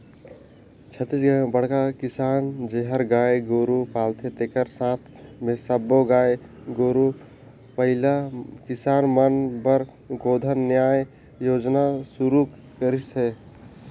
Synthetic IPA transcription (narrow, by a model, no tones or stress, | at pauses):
t͡ʃʰət̪ːisbəɽkakɪsaːnd͡ʒeɦəɾɡaːeɡoːɾupaːlt̪ʰet̪ekəɾsãːt̪ʰmẽsəbːoɡaːe | ɡoːɾu | pəɦɪlakɪsaːnmənbəɾ | ɡoːd̪ʱənːjaːj | joːd͡ʒnasuɾu | kəɾise